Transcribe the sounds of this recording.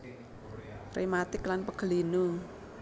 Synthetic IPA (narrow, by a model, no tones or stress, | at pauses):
rejmat̪ikːlanpəkʰːlinu